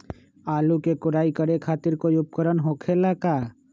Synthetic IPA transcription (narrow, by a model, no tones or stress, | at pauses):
aːlukekʊɾaːikəɾekʰaːt̪ɪɾkoːiʊp̚kəɾənɦoːkʰelakaː